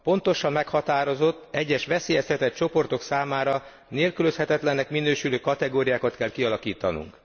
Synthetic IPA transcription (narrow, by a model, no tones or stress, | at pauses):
po̞nt̪o̞ʃɒmːɛkhɒt̪aːɾo̞zo̞t̪ːɛɟːɛʃʋɛseːjɛshɛt̪ɛt̪̚t͡ʃo̞po̞rt̪o̞ksaːmaːɾɒ | neːlkyløshɛt̪ɛt̪lɛnːɛkminøːʃyløːkɒt̪ɛɡoːɾijaːkɒt̪kɛlkiɒlɒkiːt̪ɒnṵŋk